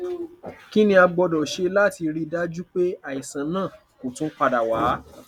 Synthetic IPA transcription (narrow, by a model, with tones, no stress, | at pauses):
ki˦nĩ˦a˧ɡ͡bɔ˧dɔ˨ʃe˧la˦˨ti˧ɾi˧da˦d͡ʒu˦k͡pe˦a˨i˨sã˨˦nãː˦˨ | ko˨tũ˦k͡pa˧da˨waː˨˦